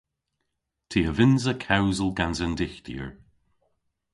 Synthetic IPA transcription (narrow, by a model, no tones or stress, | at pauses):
tʰiːəvɪnzəkʰawzəlˠɡanzəndɪxt̪ḭəɹ